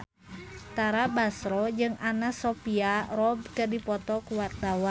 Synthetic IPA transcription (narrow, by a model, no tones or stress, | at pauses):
t̪aɾabasɾɔd͡ʒɨŋanasopiaɾɔb̚kədipɔt̪ɔkuwart̪awa